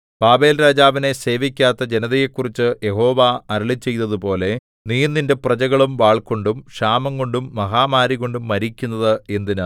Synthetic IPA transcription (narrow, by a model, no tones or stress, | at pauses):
b̥aːbe̞ːlɾaːd͡ʑaːʋine̞se̞ːʋikʲːaːt̪ːɐd͡ʑe̞nɐðɐjekːurit͡ɕːɨje̞ɦo̞ːʋaɐɾɐɭit͡ɕːe̞jt̪ːɐðupo̞ːle̞ | niːjnːinde̞prɐt͡ɕɐɣɐɭumʋaːɭko̞ɳɖumʂaːmɐŋɡo̞ɳɖumːɐɦaːmaːɾiɣo̞ɳɖumːɐɾikʲːunːɐðɨe̞nd̪inɨ